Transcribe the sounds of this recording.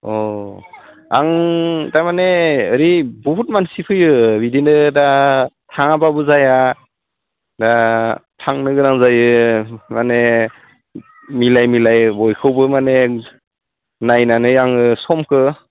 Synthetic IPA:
ɔ | a̰ŋtajmaneəɾibɔɦut̚mansipʰɯjɯbidinɯdatʰaŋababɯzaja | datʰaŋnɯɡɯɾaŋzajɯmane | milajmilajbɔjkʰɯwbɯmane | najnanɯjaŋɯsɔmkʰɯ

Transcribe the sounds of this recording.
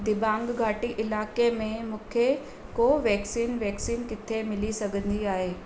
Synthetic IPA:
d̪ɪbãːŋɡɡʱaːʈiʔɪlaːkemẽmũːkʰe | koːʋɛːksiːnʋɛːksiːnkɪt̪ʰemɪlisɐɡʱə̃nd̪iaːɦeː

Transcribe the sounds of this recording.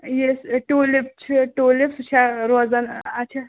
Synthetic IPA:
jesʈuːlip̚t͡ʃʰiʈoːlipst͡ʃʰaɾoːzɐnɐt͡ʃʰa

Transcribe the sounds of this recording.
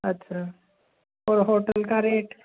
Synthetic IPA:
ətːɕʰa | poɾɦoʈəlkaɾeʈ

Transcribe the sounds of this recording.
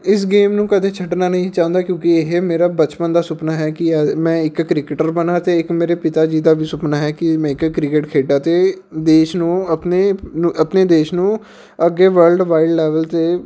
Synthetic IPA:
ɪs̬ɡeːmnũːkət̪ʰeːt͡ʃʰəʈnaːnəɦĩːt͡ʃãːnd̪aːkjõːkieɦmeːɾaːbət͡ʃpənd̪aːsʊpnaːɦɛːkɪɛmɛ̃ːɪkːɾɪkɪʈəɾbənaːt̪eːɪkmeːɾeːpɪt̪aːd͡ʒiːd̪aːbʱiːsʊpnaːɦɛːkɪmɛ̃ːɪkkɾɪkeʈkʰeːɖaːt̪eː | d̪eːʃnũːəpneñːəpneːd̪eːʃnũː | əɡːeːʋəɾlɖʋaːɪɖlɛːʋəlt̪eː

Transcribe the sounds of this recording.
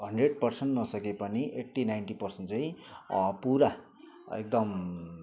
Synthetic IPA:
ɦʌɳɖreɽ̚pʌrseɳʈnʌsʌkepʌniʔek̚ʈːinajnʈipʌrsʌnt͡sʌĩpuɾa | ḛk̚d̪ʌm

